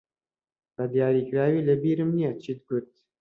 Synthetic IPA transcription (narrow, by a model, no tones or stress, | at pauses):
bɛd̪jaːɾiːkɨɾaːwiːləbiːɾɨmnijɛt͡ʃʰiːd̪̚ɡʊt̪̚